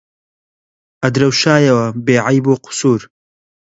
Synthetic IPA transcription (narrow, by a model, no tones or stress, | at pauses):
ʔɐd̪ɾɐwʃaːjɐwɐbeːʕajboːqʊ̥suːɾ